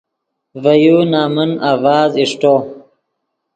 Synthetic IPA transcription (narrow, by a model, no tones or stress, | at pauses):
vajunaːmunavaːziʂʈoː